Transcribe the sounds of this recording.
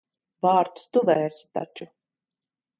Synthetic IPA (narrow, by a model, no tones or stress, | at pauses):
vaːɾt̪st̪uvɛːɾst̪a̰t͡ʃu